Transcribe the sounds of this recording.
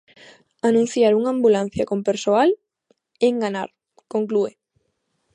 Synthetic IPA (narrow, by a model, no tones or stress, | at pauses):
anũn̟θjaɾuŋãmbulan̟θjakompeɾsoal | eŋɡana̰ɾ | koŋklue